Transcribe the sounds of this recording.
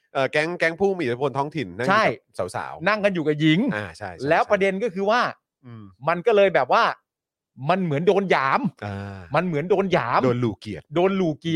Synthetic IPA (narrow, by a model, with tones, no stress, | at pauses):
ʔɤː˨˩kɛ˦˥ŋkɛ˦˥ŋpʰuː˥˩miː˧˨˩t̪ʰa˦˥po˧nt̪ʰɔː˦˥ŋt̪ʰi˨˩nːa˥ŋt͡ɕʰa˥˩jsa˩˦wsa̰ː˩˦wna˥˩ŋka˧njuː˨˩ka˨˩ji˦˥ŋa˧˩t͡ɕʰa˥˩jlɛː˦˥wppɾa˧de˧nkɔː˥˩kʰɯː˧waː˥˩ | ɯː˧ma˧nkɔː˥˩lɤː˧jbɛː˨˩p̚waː˥˩ | ma˧nmɯ˩˦əndoː˧njaː˩˦mʔaː˧a˧nmɯ˨˩˦əndoː˧njaː˩˦moː˧nluː˨˩ki˨˩ət̪̚doː˧nluː˨˩ki˨˩